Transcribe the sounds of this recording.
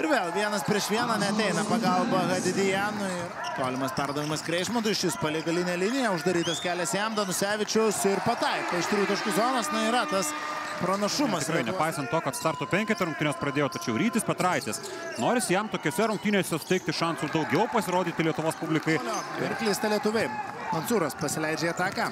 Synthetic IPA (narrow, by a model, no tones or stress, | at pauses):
ɪɾʋʲeːlˠʋʲiɛnɐspʲɾʲiɛʃʋʲiɛnɐnʲɛɐt̪ʲɛɪnɐpɐɡɐlˠbɐɣɐd̪ʲɪd̪ʲɪjænʊiːɾɐt̪oːlʲɪmɐspʲɛrd̪ɐʋʲɪmɐskɾʲɛɪʃmot̪ɐɪʃʲɪspɐlʲiɛɡɐlʲɪnʲɛlʲɪnʲɪjɛʊʒd̪ɐɾʲiːt̪ɐskʲæːlʲɛsjɛmd̪ɐnʊsʲæːʋʲɪt͡ʃʲʊsɪɾpɐt̪ɐɪkoːɪʃt̪ɾʲuːt̪ʊʃkʊzoːnɐsnʊiːɾɐt̪ɐs | pɾɐnɐʃʊmɐsɪkɾɐɪnʲɛpɐɪsɐnt̪̚t̪oːkɐt̪st̪ɐɾt̪oːpʲɛŋʲkʲɛt̪ʲɛɾʊŋk̚t̪ʲɪnʲoːspɾɐd̪ʲeːjoːt̪ɐt͡ʃʲɛʊɾʲiːt̪ʲɪspʲɛt̪ɾɐɪt̪ʲes | noːɾʲɪsʲɪjɛmt̪oːkʲoːsʲɛɾʊŋk̚t̪ʲinʲoːsʲɛsʊ̥t̪ʲɛɪk̚t̪ʲɪʃɑnsʊd̪ɐʊɡʲɛʊpɐsʲɪɾoːd̪ʲiːt̪ʲɪlʲiɛt̪ʊʋoːspublʲɪkɐɪjoːɪrklʲiːst̪ɐlʲiɛt̪ʊʋʲemnɐnsuːɾɐspɐsʲɪlʲɛɪd͡ʒʲɛɐt̪ɑːkɐ